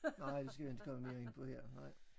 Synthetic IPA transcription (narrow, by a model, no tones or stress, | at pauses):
nɑ̈ɪ̰d̥esɡ̥æʋiend̥kʰɒ̽məme̝ɐeŋn̩pʰɒ̽heɐ̰nɑ̈ɪ̰